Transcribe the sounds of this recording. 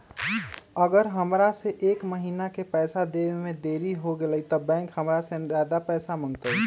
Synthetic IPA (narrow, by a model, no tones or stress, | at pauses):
əɡəɾɦəmɾaseʔeːkməɦinakepɛɪsad̪ebemẽd̪eɾiɦoɡeləjt̪ɔbɛ̃ŋkɦəmɾasẽzad̪apɛːsamə̃ŋɡt̪ə